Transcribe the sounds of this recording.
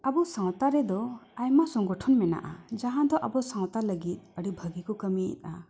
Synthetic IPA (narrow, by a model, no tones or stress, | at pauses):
abɔsãw̃t̪aɾɛd̪ɔajmasɔŋɡɔʈʰɔnmɛna̰ʔa̰d͡ʒaɦãd̪ɔʔabɔsãw̃t̪aləɡit̪̚ˀəɽibʱəɡikɔkəmiḭt̪̚ˀa